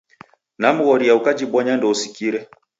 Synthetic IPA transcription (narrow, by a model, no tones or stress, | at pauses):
nam̩ɣɔɾijaukad͡ʒiɓɔɲandɔusikiɾɛ